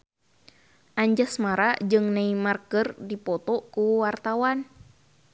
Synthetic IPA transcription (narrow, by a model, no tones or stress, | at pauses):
ʔaɲd͡ʒasmaɾad͡ʒɨŋnaimarkərdipɔt̪ɔkuwart̪awan